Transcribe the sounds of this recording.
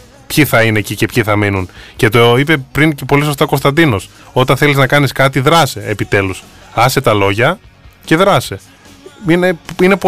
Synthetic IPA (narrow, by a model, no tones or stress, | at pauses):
pçiθɐine̞cice̞pçiθɐminunce̞t̪oipe̞pɾiŋcepo̞liso̞st̪ɐoko̞st̪ɐnd̪ino̞s | o̞t̪ɐnθe̞liznɐkɐniskɐt̪iðɾɐse̞ːpit̪e̞lus | ɐse̞t̪ɐlo̞ʝɐce̞ðɾɐse̞ | ineine̞p